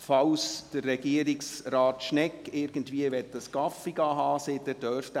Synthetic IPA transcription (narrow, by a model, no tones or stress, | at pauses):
fɑwsd̥ərːɛɡiəɾɪksrɑːt̪ʃnɛkːɪɾɡəntʋiəʋɛt̪ːəskɑfiɡɑɦɑːseːd̥ɛdœɾft